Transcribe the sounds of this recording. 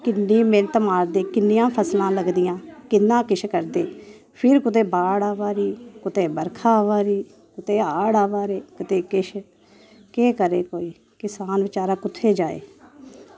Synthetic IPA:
kɪnːiːmẽːnt̪maːɾd̪eːkɪnːɪjãːpʰəslãːləɡd̪ɪjãːkɪnːãːkɪʃkəɾd̪eː | pʰɪɾkʊt̪̬eːbaːɽaːʋaːɾiːkʊt̪eːbəɾkʰaːʋaːɾiː | kʊt̪eːaːɽaːʋaːɾeːkɪt̪eːkɪʃʰ | keːkəɾeːkoːiː | kɪsaːnʋɪt͡ʃaːɾaːkʊt̪ʰːeːd͡ʒaːḛː

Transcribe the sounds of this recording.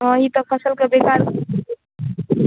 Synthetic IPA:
əɦit̪ɔpʰəsəlkebekaɾ

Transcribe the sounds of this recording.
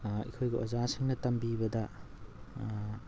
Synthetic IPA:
ḭkʰojɡɐʔozasiŋnɐtɐmbibɐdɐ

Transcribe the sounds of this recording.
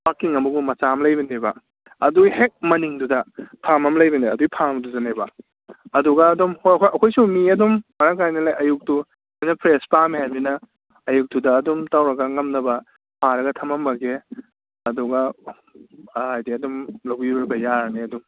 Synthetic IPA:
pakːiŋɐmuɡumɐt͡ʃamlɐjbɐnebɐ | ɐdujhek̚mɐniŋdudɐpʰamɐmlɐjbɐneɐdujpʰaŋmduzɐnebɐ | ɐduɡɐːdumhokʰʔɐkʰojsumiɐdummɐɾakajnɐlajʔɐjuk̚tu | ijnɐpʰɾespamiɦajbinɐ | ɐjuk̚dudɐːdumtawɾɐɡɐŋɐmnɐbɐ | pʰaɾɐɡɐtʰɐmɐmːɐɡe | ɐduɡɐ | ajdiɐdumlɐwbiɾejbɐjaɾɐneɐdum

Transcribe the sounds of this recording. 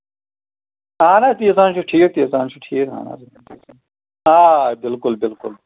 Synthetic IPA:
aːnaːt̪iːɐs̬ãːnt͡ʃʰuʈʰiːk̚t̪iːɐsaːnt͡ʃʰuʈʰiːkɦã̰ːna̰ːs | t̪isa | aːbɪlkʊlbɪlkʊl

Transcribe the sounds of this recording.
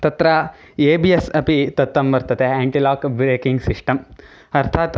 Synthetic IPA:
t̪ɐt̪ɾɐ | eːbiesɐpit̪ɐt̪ːɐmʋɐɾt̪ɐt̪eaːɳʈilaːkbɾeːkiŋɡsiʂʈɐm | ɐɾt̪ʰaːt̪

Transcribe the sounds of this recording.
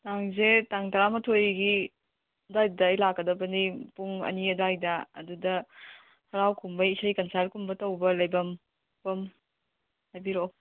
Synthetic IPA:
taŋzetaŋtɐɾamɐtʰojɡi | ɐdajdɐːjlakːɐdɐbɐnipuŋɐ̰niɐdajdɐ̰ːdudɐ | hɐɾawkʰumbɐisɐjkɐnsaɾkʰumbɐtɐwbɐlɐjbɐm | pɐm | hajbiɾo

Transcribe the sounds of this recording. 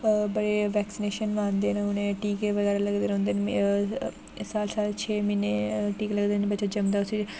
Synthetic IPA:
bəɽeːʋɛːksɪneːʃənʋãːnd̪eːneʊnẽːʈiːkeʋəɡɛːɾaːləɡd̪eːɾɦõːnd̪eːn | saːlsaːlt͡ʃʰeːmineːʈiːkləɡd̪eːnebətːʃaːd͡ʒəmd̪aːʊsiː

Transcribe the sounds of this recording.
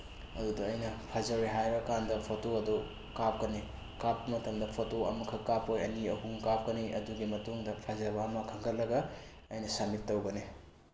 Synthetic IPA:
ɐ̰dudɐːjnɐpʰɐzɐojɦajbɐkandɐpʰotoɐdo | kap̚kɐni | kap̚kɐmɐtɐŋdɐpʰotoɐ̰mɐkʰɐkapojɐ̰niɐɦuŋkap̚kɐniʔɐ̰duɡimɐtuŋdɐpʰɐzɐβɐːmɐkʰɐŋɡɐt̚lɐɡɐ | ɐjnɐsamitːɐwɡɐni

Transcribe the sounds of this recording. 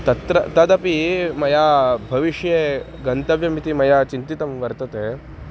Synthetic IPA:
t̪ɐt̪ɾɐt̪ɐd̪ɐpimɐjabʱɐʋiʂje | ɡɐnt̪ɐʋjɐmit̪imɐjat͡ʃint̪it̪ɐmʋɐɾt̪ɐt̪e

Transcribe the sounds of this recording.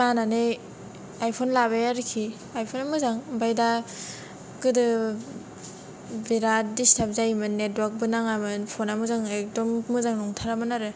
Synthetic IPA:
manane | ajpʰɔnlaβajaɾɯkʰi | ajpʰonamɯzaŋbajda | kɯdɯ | biɾatdistap̚zajmɯnːetwaɾk̚bɯnaŋamɯnpʰonamɯzaŋek̚dɔmːɯzaŋnɔŋtʰaɾamɯnaɾɯ

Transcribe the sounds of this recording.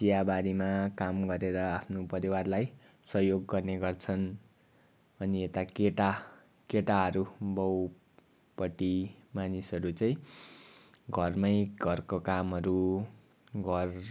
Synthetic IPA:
sijabaɾimakamɡʌɾeɾʌapʰnopʌɾiwarlaj | sʌɦjoɡːʌrneɡʌrt͡sʰʌn | bʌniet̪akeʈa | keʈaɦʌɾubʌw | pʌʈimanisʌɾut͡sʌĩ | ɡʱʌrmʌjɡʱʌrkokamɦʌɾu | ɡʱʌr

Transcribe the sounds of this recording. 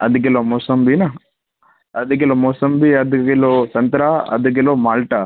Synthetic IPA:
ɐ̰d̪ɐk̬elomoːsɐmbina | ɐd̪ɐk̬elomoːsɐmbiɐd̪ɐkelosɐnt̪ɾaːɐ̰d̪ɐk̬eloːmaːlʈa

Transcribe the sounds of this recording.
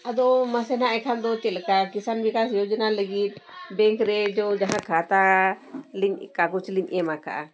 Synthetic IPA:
ad̪ɔməsɛnaʔɛkʰand̪ɔt͡ʃɛlkakisanbikasjɔd͡ʒənaləɡit̪̚bɛŋkɾɛd͡ʒɔd͡ʒaɦãkʰat̪a | liɲkakut͡ʃliɲʔɛmakʰa̰ʔa

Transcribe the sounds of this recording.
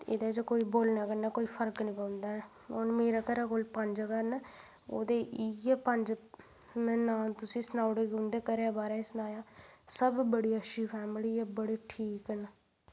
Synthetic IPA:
ɪ̰d̪eːd͡ʒkoːiːboːlnaːkənaːkoːiːpʰəɾknĩːpəʊ̃nd̪aːɛ | onmeːɾaːkəɾaːkoːlpəɲd͡ʒəkəɾnː | oːd̪eːʔijeːpəɲd͡ʒ | nːnaːt̪ʊsĩːsnaːʊɽeɡʊ̃nd̪eːkəɾeaːbaːɾaːɪsnaːjaːsəbbəɽiːəʃiːpʰɛːmliːjaːbəɽiːʈʰiːkən

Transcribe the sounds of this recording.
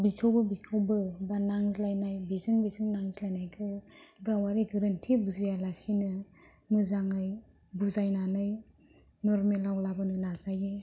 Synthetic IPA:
bikʰawbɯbikʰɯwbɯbanaŋzlajnajbizɯŋbizɯŋnaŋzlajnajkʰɯɡawaɾiɡɯɾantʰibuzajalasinɯ | mɯzaŋaj | buzajnanɯj | nɔɾmelawlabɯnɯnazaje

